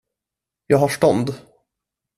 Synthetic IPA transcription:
jɑːɡhaʂʈɔnd̪

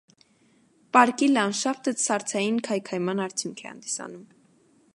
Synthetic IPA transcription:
pɑɾkilɑnʃɑft̪əsɑɾt͡sʰɑjinkʰɑjkʰɑjmɑnɑɾt͡s̪ʰjuŋkʰɛ̰hɑ̰nd̪isɑ̰num

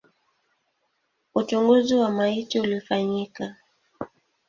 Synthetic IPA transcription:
ut͡ʃuŋɡuziwamaitiulifaɲika

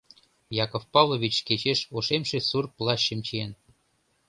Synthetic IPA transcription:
jɑkofpɑvlˠovit͡ɕket͡ɕeʃoʃemʃesurplˠɑɕəmt͡ɕien

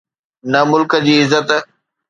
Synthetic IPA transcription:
nɐmʊlkəd͡ʑiːɪzːət̪

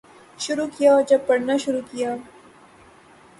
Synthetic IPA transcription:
ʃʊɾukijaɔd͡ʒɐb̚pɐɽnaʃʊɾukijaː

